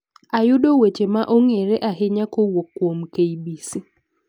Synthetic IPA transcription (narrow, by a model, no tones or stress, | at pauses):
ajʊdowet͡ʃemaʔoŋeɾeʔaɦɪɲakowokːwomkejbisi